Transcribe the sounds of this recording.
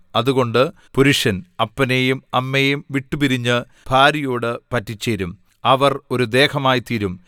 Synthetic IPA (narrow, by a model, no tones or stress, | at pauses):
ɐðuɣo̞ɳɖɨ | puɾuʂɐnɐpːɐnejumɐmːejumʋiʈːupiɾiɲːɨ | bʱaːɾijoːɽɨpɐtːit͡ɕːeɾum | ɐʋɐro̞ɾud̪e̞ːkɐmaːjit̪iɾum